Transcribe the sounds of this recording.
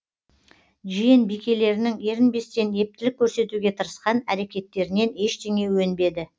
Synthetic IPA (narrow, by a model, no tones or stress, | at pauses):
ʒijenbijkʲe̞le̞ɾɪnɪŋe̞ɾɪnbe̞st̪e̞ne̞p̚t̪ɪlɪkʲʰːɵɾse̞t̪uɡʲe̞t̪ʰəɾəsqɑnæɾe̞kʲe̞t̪ːe̞ɾɪne̞ne̞ʃt̪ʰe̞ŋe̞wɵnbe̞d̪ɪ